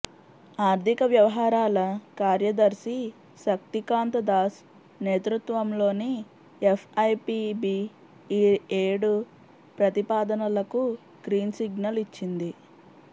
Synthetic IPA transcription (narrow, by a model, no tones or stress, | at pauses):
aːɾt̪ʰikɐʋjɐʋɐɦaːɾaːlɐkaːɾjɐd̪ɐɾsi | ʃɐk̚t̪ikaːnt̪ɐd̪aːs | ne̞ːt̪ɾut̪ʋɐmlo̞ːni | epʰɐjpibiː | eːɽu | pɾɐt̪ipaːd̪ɐnɐlɐku | ɡ̥ɾiːnsiɡnɐlit͡ʃːind̪i